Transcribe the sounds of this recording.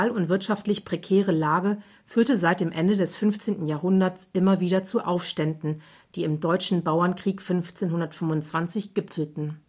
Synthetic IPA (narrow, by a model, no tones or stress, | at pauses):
lʊntv̥ɪɐtʃaftlɪçpʁ̥ekʰɛːʁəlaːɡə | fyːɐtəzaɪt̚d̥eːmʔɛndədɛsfʏnft͡seːntn̩jaːɐɦʊndɐt͡sʔɪmɐviːɾɐt͡suʔaʊfʃtɛndn̩ | d̥iːɪmdɔʏt͡ʃn̩baʊɐnkʁ̥iːkfʏnft͡seːnɦʊndɐtfʏmʊnt͡sv̥ant͡sɪçɡ̥ɪpfl̩tn̩